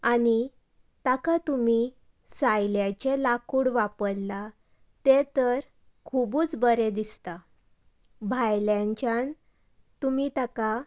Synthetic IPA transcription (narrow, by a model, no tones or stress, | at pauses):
ani | t̪akat̪umi | sajljat͡ɕelakuːɽʋapəɽla | t̪et̪əɾ | kʰubuːt͡sbəɾed̪ist̪a | bʱajljãɲt͡ɕjan | t̪umit̪aka